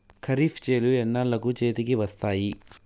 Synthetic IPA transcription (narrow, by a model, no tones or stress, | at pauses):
kʰɐɾiːfʰt͡ʃeːluɛnːaːɭːɐkut͡ʃeːt̪ikiʋɐst̪aːji